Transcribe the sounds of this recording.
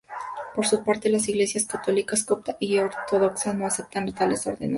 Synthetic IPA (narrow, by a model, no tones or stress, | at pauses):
po̞ɾsupaɾt̪elasiɣle̞sjaskat̪o̞likaskop̚t̪aʔioɾt̪oðoksanoase̞p̚t̪anlt̪aleso̰ɾðḛna